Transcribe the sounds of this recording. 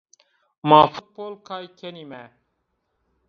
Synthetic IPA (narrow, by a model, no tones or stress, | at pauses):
maːfut̪̚poːlkʰaːjkʰenimæː